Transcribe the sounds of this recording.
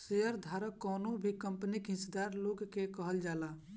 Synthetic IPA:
seəɾd̪ʱaːɾəkɔːnõbʱikəmpənikɦɪ̃sd̪aːɾloːɡkekəɦəld͡ʒaːlaː

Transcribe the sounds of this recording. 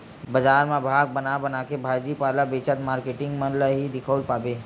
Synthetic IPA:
bɐd͡ʒaːɾmẽbʱaːɡ̚bɐnabɐnakebʱaːjd͡ʒipaːlabeːt͡ʃət̪maːɾkeːʈɪ̃ŋɡmənləɦid̪ɪkʰəlpaːbeː

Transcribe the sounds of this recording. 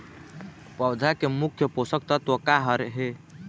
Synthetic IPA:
pəwd̪ʱakemukʰjəposək̚t̪ət̪wəkaɦəɾɦe

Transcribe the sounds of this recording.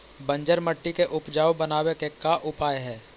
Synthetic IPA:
bɐ̃ɲd͡ʒəɾməʈːikeʔʊpd͡ʒaːobɐnaːwekekaʔʊpaːjɦɛː

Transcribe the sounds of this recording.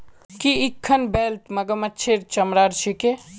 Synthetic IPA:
kiikʰːɐnbeːlt̪mɐɡəmɐtːt͡ʃʰeɾt͡ʃɐmɾaːɾt͡ʃʰike

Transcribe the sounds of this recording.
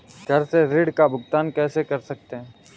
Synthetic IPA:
ɡʱɐɾseɾɪːɽkabʱʊɡt̪aːnkɛːsekɐɾsɐk̚t̪eɦɛ̃ː

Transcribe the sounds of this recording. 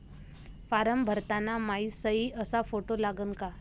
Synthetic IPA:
faɾəmbʱəɾt̪anamaisəiʔəsafoʈolaɡənka

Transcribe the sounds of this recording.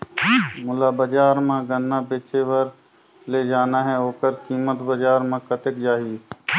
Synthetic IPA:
mʊlabəd͡ʒaːɾmãɡənːabet͡ʃeʋəɾ | led͡ʒaːnaɦɛoːkəɾkiːmət̪bəd͡ʒaːɾmãkət̪ɪkd͡ʒaːɦi

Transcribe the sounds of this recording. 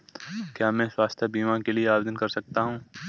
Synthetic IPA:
kjaːmɛ̃ːswaːst̪ʰjəbiːmãkelieaːbed̪ənkɐɾsɐk̚t̪aɦũː

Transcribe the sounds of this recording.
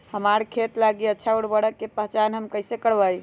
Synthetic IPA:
həmaɾkʰet̪laɡiətːʃʰauɽbəɽəkːepəɦt͡ʃanɦəmkəjsekəɽbəj

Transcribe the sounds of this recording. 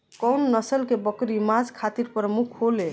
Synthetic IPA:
kɔwnːʌsəlkebɔkɾimad͡zkʰat̪iɾpɾmukʰɦole

